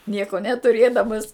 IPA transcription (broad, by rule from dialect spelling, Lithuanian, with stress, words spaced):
ˈnʲiɛkoː nʲɛtʊˈrʲeːdɐmɐs